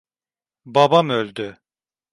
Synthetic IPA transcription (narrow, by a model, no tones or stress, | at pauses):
babamølʲd̪ʏ